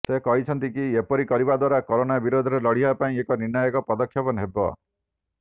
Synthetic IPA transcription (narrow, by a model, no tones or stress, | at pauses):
sekɔɦit͡ʃʰɔnt̪ikiepɔɾikɔɾibad̪waɾakɔɾonabiɾod̪ʱɔɾelɔɽ̤ibapaĩekɔniɾnɔjɔkɔpɔd̪ɔkʰːjɔpɔnɦebɔ̰